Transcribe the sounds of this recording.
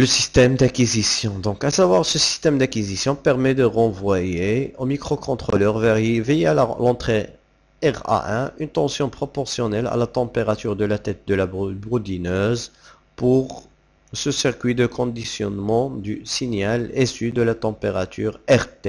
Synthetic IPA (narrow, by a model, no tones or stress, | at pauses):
ləsist̪ɛmd̪akizisjɔ̃d̪ɔ̃kasavwaʁsəsi̥st̪ɛmd̪akizisjɔ̃pɛʁmɛd̪əʁɑ̃vwajeomikχokʰɔ̃t̪χolœʁvɛvejealɑ̃t̪χe | ɛʁa̰ʔɛ̃ʔynt̪ɑ̃sjɔ̃pχɔpɔʁsjɔnɛla̰lat̪ɑ̃peʁat̪yʁd̪əlat̪ɛt̪̚d̪əlabʁud̪inøz | puʁ | səsiʁkɥid̪əkʰɔ̃d̪isjɔnmɑ̃d̪ysinjalesyd̪əlat̪ɑ̃peʁat̪ʰyːʁɛʁt̪e